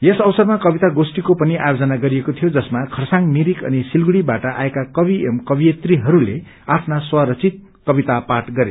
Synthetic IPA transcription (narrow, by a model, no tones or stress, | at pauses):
jesʌwsʌrmakʌbit̪aɡosʈikopʌniʔajod͡zʌnaɡʌɾijekot̪ʰijod͡zʌsmakʰʌrsaŋmiɾikʌ̰nisilɡuɽibaʈʌʔa̰ekakʌbiemkʌbijet̪riɦʌɾule | apʰnaswaɾʌt͡sit̪̚ | kʌbit̪apaʈɡʌɾe